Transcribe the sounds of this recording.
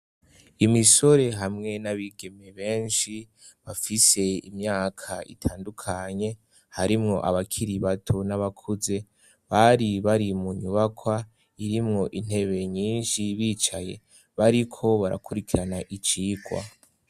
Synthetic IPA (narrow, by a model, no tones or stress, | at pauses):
imiso̞ɾe̞ɦamŋe̞naβiɡe̞me̞βe̞ːnʃi | βafise̞imɲaːkʰaḭtʰaːndukʰaɲe̞ | haɾimŋo̞̰ʔaβakʰiɾiβatʰonaβakʰuze̞ | βaɾiβaɾimuɲuβakʰwa | iɾimŋo̞ʔin̥he̞βe̞ɲiːnʃiβiːt͡ʃaje̞ | βaɾikʰo̞βaɾa̰kuɾikʰiɾanaʔit͡ʃiːɡwa̰